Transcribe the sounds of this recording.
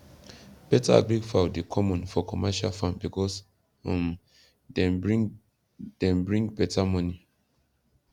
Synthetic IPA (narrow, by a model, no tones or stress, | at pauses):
b̥ɛta̰a̰ɡɹiɡfawdekʰɔmɔ̃nfɔkʰɔmɛʃalfãnbikɔs | ɔ̃m | ɛ | d̥ɛ̃nbɹĩŋɡbɛtamɔni